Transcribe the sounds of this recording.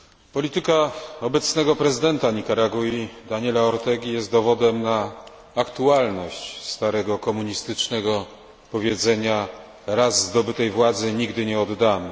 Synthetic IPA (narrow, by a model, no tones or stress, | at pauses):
pɔlʲit̪ɘkaɔbɛt̪snɛɡɔpɾɛzɘd̪ɛnt̪aɲikaɾaɡuid̪aɲɛlaɔɾt̪ɛɡʲijɛst̪̚d̪ɔvɔd̪ɛmnaː | kt̪ualnɔɕt͡ɕst̪aɾɛɡɔkɔmuɲist̪ɘt͡ʂnɛɡɔ | pɔvʲjɛd̪zɛɲa | ɾazːd̪ɔbɘt̪ɛjvwad̪zɘɲiɡd̪ɘɲɛɔd̪ːamɔ